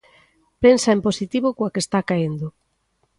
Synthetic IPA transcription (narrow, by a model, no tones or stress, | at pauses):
pensɐemposit̪iβokoakest̪akaind̪ʊ